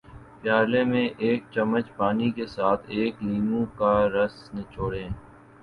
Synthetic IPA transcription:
pjaːlemẽʔeːk̚t͡ʃɐmːət͡ʃpaːnikesaːt̪ʰeːkliːmũkaɾɐsnet͡ʃoːɽẽː

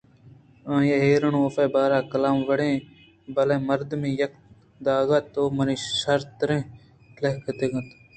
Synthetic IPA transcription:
ãːjeːɦeːɾəɳooːfeːbaːɾaːkəlaːmʋəɽẽː | bɐlẽːməɾd̪mĩːjɐk̚ | d̪aːɡat̪ːoːməniːʃɐɾt̪ːɾẽː | leɦkʰət̪eːɡə̃t̪ː

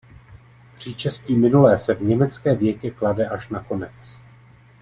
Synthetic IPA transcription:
pr̝̥ɪt͡ʃɛsciːmɪnulɛːsɛvɲɛmɛt͡skɛːvjɛcɛkladɛʔaʃnako̞nɛt͡s

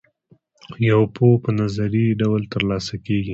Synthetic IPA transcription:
jawpʰopənazaɾiɖawlt̪əɾlɑsakeɡi

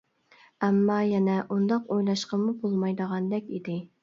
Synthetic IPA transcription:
ɛmːɑjɛnɛʔund̪ɑqojlˠɑʃqɑmubolˠmɑjd̪əʁɑnd̪ɛkʲid̪ɪ

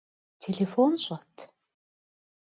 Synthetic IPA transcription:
t̪ʰeɮefɔnɕɔt̪

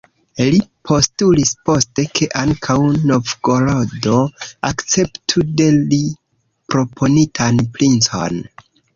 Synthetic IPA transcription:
lipʰo̞stulispo̞ste̞kʰe̞ʔaŋkʰawno̞vɡo̞lodo̞akt͡se̞ptʰude̞li | pɾo̞pʰo̞nitʰanplint͡so̞̰n

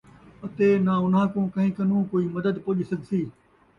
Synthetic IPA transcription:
ɐt̪eːnaʊnɦãːkõːkɐ̃ɦĩːkɐnũːkoːiːmɐd̪əd̪poːʄisɐɡʱsiː

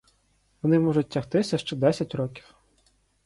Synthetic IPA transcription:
ʋɔnɪmɔʒʊt̚ːʲɐxt̪ɪsʲɐʃt͡ʃɛd̪ɛsʲɐtʲɾɔkʲi̥w

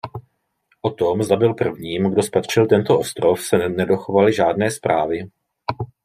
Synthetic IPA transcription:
ʔo̞t̪omzd̪abɪlpr̩vɲiːmɡdo̞spat̪r̝̥ɪlt̪ɛnt̪oʔost̪ɾofsɛnɛdo̞xovalɪʒaːdnɛːspɾʔaːvɪ

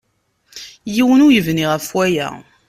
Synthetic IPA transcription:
jiwənujəvniʁəfwæjæ̰

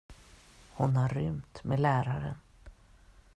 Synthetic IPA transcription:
hʊnhaɾːʏmt̪meɛlæːɾaɾə̰n

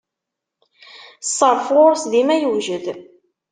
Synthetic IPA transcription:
sˤːəɾˤfʊɾsðimæjuʒəð

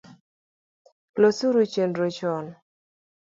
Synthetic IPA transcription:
losuɾut͡ʃendɾot͡ʃɔn

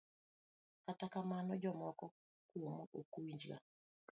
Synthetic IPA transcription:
katakamanɔd͡ʒɔmɔkɔ | kwomoʔokuwiɲd͡ʒɡa̰

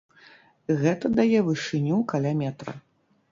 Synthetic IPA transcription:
ɣɛt̪ɐd̪ajɛvɨʂɨnʲukalʲamʲɛt̪ɾɐ̰

